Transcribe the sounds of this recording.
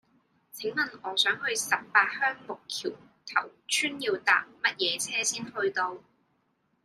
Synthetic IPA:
t͡sʰe˨˥ŋmɐ˨nɔː˨˧sœː˨˥ŋhɵ˧ɥsɐ˨p̚paː˧t̚hœː˥ŋmʊ˨kʰḭː˨˩w | t̪ʰɐ˨˩wt͡ʃʰyː˥njiː˧wt̪a̰ː˨˩p̚mɐ˥t̚jɛː˨˧t͡sʰɛː˥siː˥nhɵ˧ɥt̪o˧w

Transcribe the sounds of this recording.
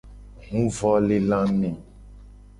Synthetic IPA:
ŋũ˦vɔ˦le˦lã˦mĩ˨

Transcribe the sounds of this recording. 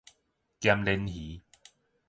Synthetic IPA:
kja˧mle˧nhi˨˦

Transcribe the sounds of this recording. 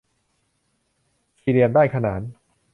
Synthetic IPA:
sʰiː˧li˧əndaː˥˩jkʰa˧naː˩˦n

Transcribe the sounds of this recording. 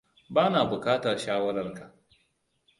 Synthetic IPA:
baː˦naː˨bʊ˨kaː˦tɐ˨rʃaː˦wɐ˦ɾɐ˦rka˨ʔ

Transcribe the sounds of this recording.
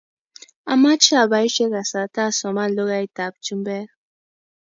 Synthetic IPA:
a˨ma˦t͡ʃi˦a˨ba˨˦i˦ʃɛ˦ɡa˨sa˨ta˦˨sɔ˨ma˦˨lo˦ɣa˦i˦ta˨bt͡ʃu˦m˦bɛ˦ɾ

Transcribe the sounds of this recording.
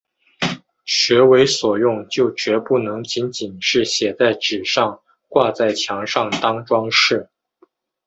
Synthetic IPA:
ɕɥɛ˧˥we˧˥ɪswɔ˨˩jʊ˥˩ŋt͡ɕjo˥˩ʊt͡ɕɥɛ˧˥pu˥˩nɤ˧˥ŋt͡ɕi˧˥nt͡ɕi˨˩nʂɻ̩˥˩ɕjɛ˨˩t͡sa˥˩ɪʈ͡ʂɻ̩˨˩ʂɑ˥˧ŋ | kwa˥˧t͡sa˥˩ɪt͡ɕʰjɑ˧˥ŋʂɑ˥˩ŋt̪ɑ˥ŋʈ͡ʂwɑ˥ŋʂɻ̩˥˩

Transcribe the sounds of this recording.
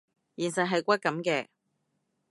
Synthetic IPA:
jiː˨˩nsɐ˨˩ɦɐ˨jkʷɐ˥t̚kːɐ˨˥mkɛː˧

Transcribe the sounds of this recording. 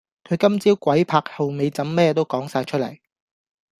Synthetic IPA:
kʰɵ˨˧ɥkɐ˥mt͡siː˥wkʷɐ˨˥jpʰaː˧k̚hɐ˨wme˨jt͡sɐ˨˥mːɛː˥t̪o˥wkɔː˨˥ŋsaː˧jt͡ʃʰɵ˥t̚lɐ̰˨˩j

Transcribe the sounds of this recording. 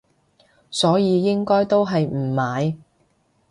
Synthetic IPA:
sɔː˨˥jiː˨˧jɪ˥ŋkɔː˥jt̪o˥wɦɐ˨jm̩ː˨˩maː˨˧j

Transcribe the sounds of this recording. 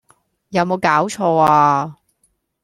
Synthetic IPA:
jɐ˨˧wmo˨˧wkaː˨˥wt͡ʃʰɔː˧aː˧

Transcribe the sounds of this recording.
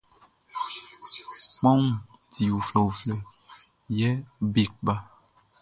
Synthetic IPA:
k͡pã˦wũ˨ | ti˨wu˨flɛ˨wu˨flɛ˨ | jɛ˦be˨k̚ba˦

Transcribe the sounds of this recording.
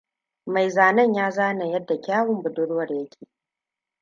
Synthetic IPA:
ma˨jzaː˨nɐ˦˨ɲjaː˦zaː˦na˨jɐ˦dːa˨kʲaː˦wʊ˨mbʊ˨dʊ˦ɽwɐ˨rjɐ˦kʲʰeː˨

